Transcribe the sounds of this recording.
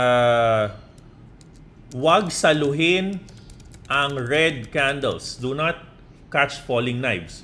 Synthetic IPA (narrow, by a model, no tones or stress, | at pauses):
a | wɐɡ̚sɐlʊɦɪn | ʔɐŋɹɛd̪̚kãnd̪ɛ̰lsd̪ʊnɐt̪̚ | kat͡ʃfolɪ̃ŋnajbs